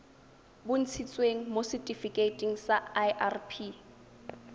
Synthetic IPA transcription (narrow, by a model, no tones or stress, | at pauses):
bʊn̩t͡sʰit͡sʼweŋ̩mosɪtʼifikʼetʼiŋ̩saajʔarpʰi